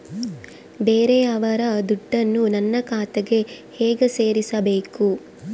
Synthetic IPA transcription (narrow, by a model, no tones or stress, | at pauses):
beːɾeɐʋɐɾɐd̪uɖːɐnːunɐnːɐkaːt̪ɐɡe̞hɛːɡese̞ːɾisɐbeːku